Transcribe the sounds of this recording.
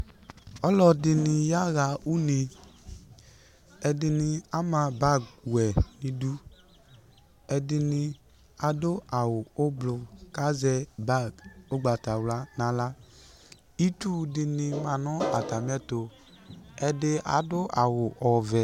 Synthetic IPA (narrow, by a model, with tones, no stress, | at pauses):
ɔ˦lɔ˧dɪ˧nɪ˧ja˦ɣa˧ʔu˦ni˧ | ɛ˧dɪ˧nɪ˧a˦mã˧ba˦˨ɡɛ˨nĩ˨du˦ | ɛ˧dɪ˧nɪ˧ | a˨dʊ˦a˨wʊ˨o˦blʊ˧ka˦zɛ˧ba˦˨ɡo˦ɡ͡ba˨ta˨wla˦nã˨la˦ | i˦tu˦dɪ˧nɪ˧ma˨nʊ˦a˨ta˨m˦ɛ˦to˨ | ɛ˧dɪ˧a̰˨˦dʊ˦ʔa˨wʊ˨ʔɔ˨vɛ˨